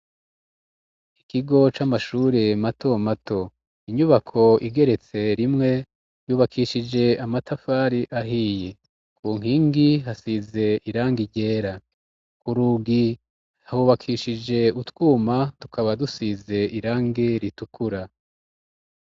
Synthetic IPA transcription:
ikiɡo̞t͡ʃamaʃuːɾemato̞mato̞ | iɲuβakʰo̞iɡe̞ɾe̞t͡se̞ɾimŋe̞ | juːβakʰiːʃid͡ʒe̞amatafaːɾiʔaɦiːje̞ | kʰuːŋ̥ɦiːŋɡiɦasize̞iɾaːŋɡiɟe̞ːɾa | kuɾuɡi | hahuβakʰiʃid͡ʒe̞utwuːmatu̥kʰaβadusize̞iɾaːŋɡeɾitukuɾa

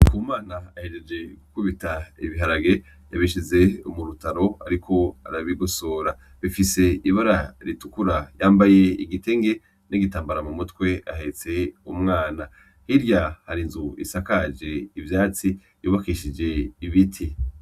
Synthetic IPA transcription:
kumaːnaahe̞d͡ʒe̞d͡ʒe̞ɡukuβitaḭβiɦaɾaɡe̞ | jaβiʃize̞umuɾutaɾo̞a̰ɾikʰo̞a̰ɾaβiɡosoːɾa | βifise̞iβaɾaɾitu̥kuɾajaːmbaje̞iɡite̞ŋɡe̞ | niɡitaːmbaɾamumutwe̞a̰ɦe̞t͡se̞umŋaːna | hiɾjahaɾinzuḭsakad͡ʒe̞ivjaːt͡si | juːβakiʃid͡ʒe̞iβitʰi

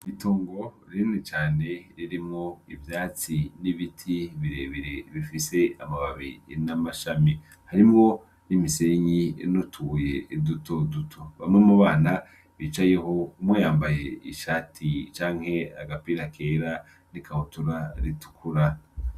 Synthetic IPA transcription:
ituːŋɡo̞ | ɾinit͡ʃaːne̞ɾiɾimŋoivjaːt͡siniβitʰiβiɾeːβeɾeβifise̞a̰maβaβiḭnamaʃami | haɾimŋo̞ | nimiseɲinutʰuje̞idutʰodutʰoβa̰mŋemuβaːna | βiːt͡ʃaje̞ɦo̞umwejaːmbajḛiʃaːtʰit͡ʃaːŋ̥he̞aɡapiːɾakʰeːɾa | nikʰahutuɾaɾitu̥kʰuɾa

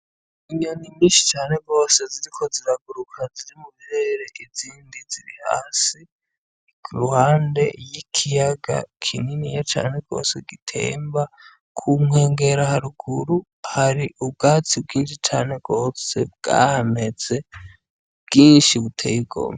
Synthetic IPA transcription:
iɲonimiːʃi̥t͡ʃaːne̞ɡo̞ːse̞ziɾikʰo̞ziɾaɡuɾukʰaziɾimuheɾeɾe̞ʔiziːndiziɾiha̰ːsi | ɡ̥uɾuhaːnde̞jikʰijaɡa̰kʰininijet͡ʃa̰ːne̞ɡo̞̰ːse̞ɡitʰḛːmba | kʰumŋe̞ːŋɡe̞ɾahaɾuɡuɾu | haɾiʔub̚ɡaːt͡sibɡiːnʃit͡ʃaːne̞ɡo̞ːse̞b̚ɡa̰ːhame̞z̥e̞ | bɡiːnʃiβutʰḛːjibɡo̰ːma

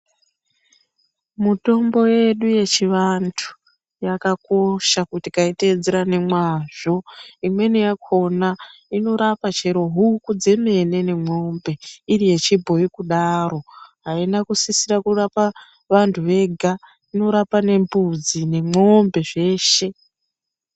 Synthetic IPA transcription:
muto̞mbo̞je̞ɗuje̞t͡ʃiʋantʰu̥ | jakako̞ʃakutikaited͡zeɾane̞mwaʐ̥o̞imwe̞nijakʰo̞naino̞ɾapat͡ʃe̞ɾo̞ɦukud͡ze̞me̞ne̞ne̞mo̞mbe̞iɾije̞t͡ʃibʱo̞ikuɗaɾo̞ɦainakusisiɾakurapa | ʋantʰuʋe̞ɡʱa | ino̞ɾapane̞mbud͡zine̞mo̞mbe̞ʐe̞ːʃe̞

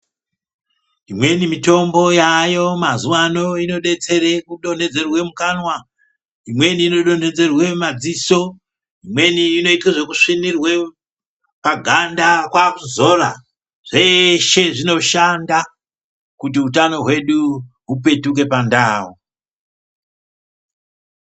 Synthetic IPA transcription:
imwe̞nimito̞mbo̞jajo̞mazuwano̞ino̞ɗe̞t͡se̞ɾekuɗo̞n̤e̞d͡ze̞rwe̞mukanwa | imwe̞niːno̞ɗo̞ne̞d͡ze̞rwe̞mad͡ziso̞ | imwe̞niːno̞itiʐekuʂinirwe̞ | paɡʱandakwakuzo̞ra | ʐ̥e̞ʃe̞ʐino̞ʃanda | kutiut̬ano̞ɦwe̞ɗu | ɦupe̞tuk̬e̞pandaːwo

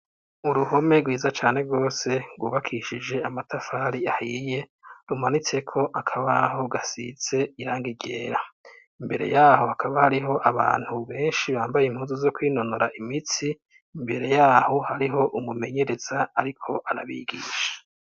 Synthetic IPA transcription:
uɾuho̞me̞ɡwiːzat͡ʃaːne̞ɾɡo̞ːse̞ɡwuːβakʰiʃid͡ʒe̞amatafaːɾiahiːje̞ | ɾumanit͡se̞kʰo̞ʔakʰaβaɦo̞ɡasḭt͡se̞iɾaːŋɡiɟe̞̰ːɾa | imbe̞ɾe̞̰jaːho̞hakʰaβahaɾiɦo̞ʔaβa̰ːn̥huβe̞ːnʃiβaːmbajeimhuːnzuzo̞kwiːno̞noɾaʔimit͡siː | mbe̞ɾe̞jaːho̞haɾiɦo̞ʔumume̞ɲe̞ɾe̞z̥aaɾikʰo̞ʔaɾaβḭɡḭːʃḁ

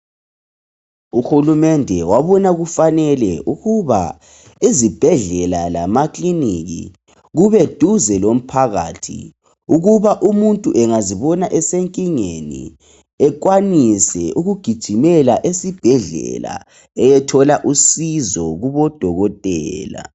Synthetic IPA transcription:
uxulumɛndʱɛwaβɔnaɣufanɛlɛʔuɣuβa̰ | izib̥ʱɛɮɛlalamakliniɣḭ | ɣuβɛd̥ʱuzɛlom̩pʰaɣa̰tʰḭ | uɣuβaʔumuntʼuʔɛŋaziβɔnaʔɛseŋkʼiŋenḭ | ɛk̬wanisɛʔuɣuɡ̥ʱid̥ʒ̥ʱimɛlaʔesib̥ʱɛɮɛ̰la̰ | ɛjɛtʰɔlaʔusizɔɣuβɔd̥ʱɔɣɔtʼɛːla̰

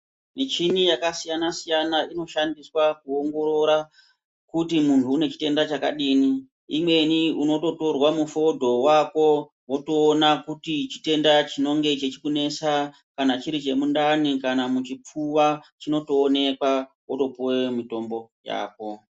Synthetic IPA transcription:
nit͡ʃinijakasijanasijanaino̞ʃandiswakuoŋɡo̞ɾo̞ɾa | kutimuntʰuːne̞t͡ʃi̥te̞ndat͡ʃaka̰ɗiːni | imwe̞niuno̞to̞to̞rwamufo̞dʱo̞wako̞ | wo̞toːnakutit͡ʃi̥te̞ndat͡ʃino̞ŋɡe̞t͡ʃet͡ʃikune̞sa | kanat͡ʃiɾit͡ʃe̞mundanikanamut͡ʃip͡fuwat͡ʃino̞toːne̞kwa | woto̞puwemito̞mbo̞ja̰ːko̞

